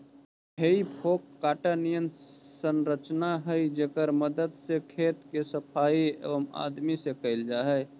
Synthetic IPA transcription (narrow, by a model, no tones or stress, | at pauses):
ɦeipʰoːkːaːʈanijənsənɾət͡ʃnaɦəid͡ʒekəɾməd̪əd̪sekʰeːt̪kesəpʰaiḛʋəma̰d̪misekəɪld͡ʒaːɦɛj